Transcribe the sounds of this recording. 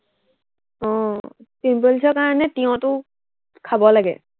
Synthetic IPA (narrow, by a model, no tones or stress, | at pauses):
ɔ̃ | simpɔlsɔkaɹɔnɛtiɔ̃tʊ | kʰabɔlaɡɛ̰